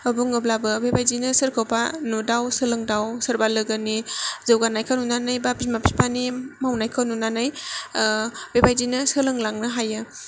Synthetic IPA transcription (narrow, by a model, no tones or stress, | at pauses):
ɐbuŋɯblabɯbebajdinɯsɯɾkʰawpanudawsɯlɯŋdawsɯɾbalɯɡɯnizɯwɡanajkʰanunanajbapismapʰispʰanimawnajkʰanunanaj | bebajzinɯsɯlɯŋlaŋnɯɦajɯ